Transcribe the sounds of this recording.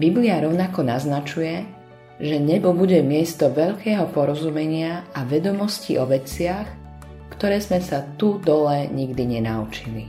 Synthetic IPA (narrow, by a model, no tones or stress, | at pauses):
bibliaɾɔʊnakɔnaznat͡ʃujɛ | ʒɛɲɛbɔbuɟɛmɪɛst̪ɔʋɛʎkɛːɦɔpɔɾɔzumɛɲɪaaʋɛd̪ɔmɔscḭʔɔʋɛt͡sɪax | kt̪ɔɾɛːzmɛsat̪ud̪ɔlɛɲiɡd̪iɲɛnaut͡ʃili